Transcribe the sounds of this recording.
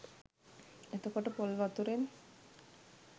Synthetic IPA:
et̪əkoʈəpolʋat̪uɾen

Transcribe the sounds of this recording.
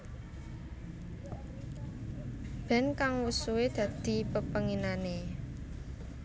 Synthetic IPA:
b̥ɛ̤nkaŋwusuwed̪̥ä̤d̪̥i̤pəpəŋinane

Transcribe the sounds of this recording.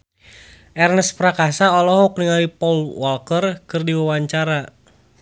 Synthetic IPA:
ʔɛrnəspɾakasaɔlɔɦɔk̚niŋalipɔlwɔlkərkɨrdiwawaɲt͡ʃaɾa

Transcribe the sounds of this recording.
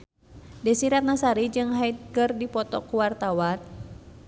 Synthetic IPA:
dɛsiɾat̪̚nasaɾid͡ʒɨŋɦait̪̚kɨrdipɔt̪ɔkuwart̪awan

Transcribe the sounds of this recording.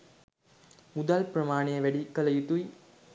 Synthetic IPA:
mud̪alprɐmaːɳejəʋæɖikːɐlɐjit̪uj

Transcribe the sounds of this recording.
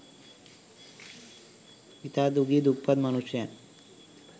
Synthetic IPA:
it̪aːd̪uɡid̪uk̚pɐd̪mɐnuʃjan

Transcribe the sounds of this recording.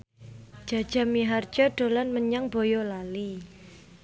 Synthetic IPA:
d͡ʒ̥a̤d̥ʒ̥a̤miɦar̥d͡ʒɔɖ̥o̤lanməɲaŋbo̤jɔlali

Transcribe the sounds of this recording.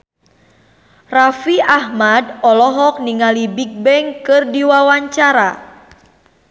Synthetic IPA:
rafiʔahmadɔlɔɦɔk̚niŋalibik̚bɛŋkɨrdiwawaɲt͡ʃaɾa̰

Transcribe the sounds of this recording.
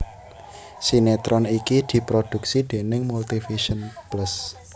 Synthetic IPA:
sinet̪ɾɔnikid̪̥i̤pɾod̪̥ṳk̚sid̪̥e̤nɪŋmult̪ifiʃɔnplus

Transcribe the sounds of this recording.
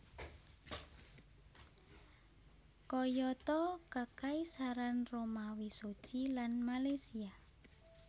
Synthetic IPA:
kɔjɔt̪ɔkakaisaɾanromawisod̥ʒ̥ilanmalajsia

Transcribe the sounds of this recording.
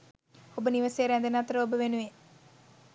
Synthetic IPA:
obəniʋɐsejɾænd̪enat̪ɾəobəʋenuʋe

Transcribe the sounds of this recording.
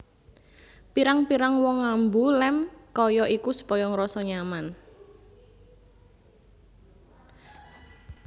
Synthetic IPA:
piɾaŋpiɾaŋwɔŋːambulɛmkɔjɔʔikusə̥pɔjɔŋɾɔsɔɲaman

